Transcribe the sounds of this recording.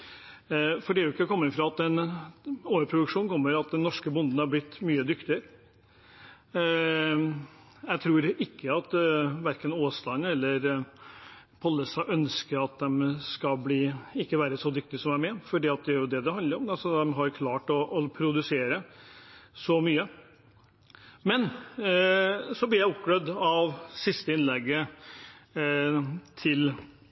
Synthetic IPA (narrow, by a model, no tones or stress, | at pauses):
fɔɖɛːʊɪkːəɛkʰɔmːəfɾɑɑt̪ɛn | oːʋəɾpʰɾʊd̪ʉkʂuːnkʰɔmːəɾɑt̪̚d̪ɛnːɔʂkəbʊnd̪n̩hɑɾblɪt̪ːmyːəd̪ʏkt̪ɪəɾ | jɛɡt̪ʰɾuːɾɪkːəɑt̪ʋæɾkənoːst̪ɑnɛlːəɾ | pʰɑlːəsɑʔœnskəɾɑt̪̚d̪ɛmskɑbliːɪkːəʋæːɾəsɔd̪ʏk̚t̪ɪsɔmæmɛfɔɖiːɑt̪̚d̪ɛæɾjʊd̪ɛd̪ɛhɑnd̪əɾɔmɛɑsɔd̪ɛmɦɑɾkʰlɑːʈɔʔːpʰɾʊd̪ʉseːɾə | sɔmyːə | mɛn | sɔblɪjæɪʊpːɡlœd̪ɑʋsɪst̪əɪnlɛɡːə | t̪ʰɪl